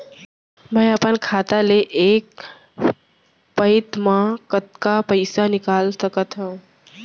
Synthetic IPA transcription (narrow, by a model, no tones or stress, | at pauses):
mɛ̃ːəpənkʰaːt̪aleʔeːk̚ | pəɪt̪mãkət̪̚kapəɪsanɪkaːlsəkət̪ɦũ